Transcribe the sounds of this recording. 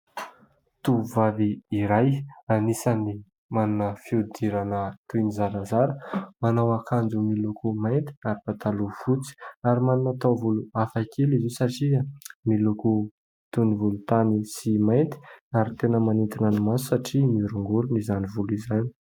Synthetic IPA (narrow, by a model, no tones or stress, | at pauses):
t̪uvaviːɾajanisani | maninəfiud̪iɾanət̪uinizaɾazaɾəmanawakʰand͡zumilukumajnt̪i̥aɾipat̪alufut͡si̥aɾimaninat̪avuluafakʰelizisaʈ͡ʂiamiluku | t̪univulut̪anisimajnt̪i̥aɾit̪enəmanint̪inanimasu̥saʈ͡ʂimiɾuŋɡuɾunizanivulizani̥